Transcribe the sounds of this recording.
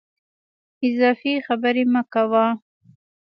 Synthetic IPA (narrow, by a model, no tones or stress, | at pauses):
ɪzɑfixabəɾemakawa